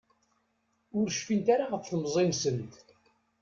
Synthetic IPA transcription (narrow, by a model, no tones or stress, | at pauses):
ʊɾʃfint̪aɾaʁəfθəmzˤensənt̪